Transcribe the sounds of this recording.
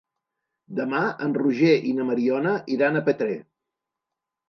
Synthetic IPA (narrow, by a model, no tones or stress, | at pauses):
d̪əmaənruʒeʔinəməɾiɔnəʔiɾanəpət̪ɾe